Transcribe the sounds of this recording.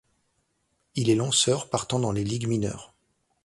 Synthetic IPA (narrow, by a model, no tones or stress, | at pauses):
ilɛlɑ̃sœʁpaʁt̪ɑ̃d̪ɑ̃leliɡminœ̰ːʁ